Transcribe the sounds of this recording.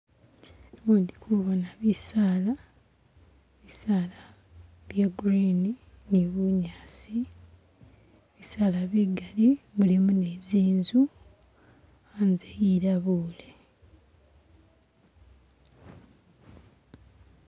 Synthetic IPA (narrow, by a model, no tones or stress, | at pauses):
uːndikʰuβonaβisaːla | eβisaːla | βjaɡuɾini | niβuɲaːsi | βisaːlaβiɡaliβulimuneziːnzu | aːnzejiɾaβuːle̞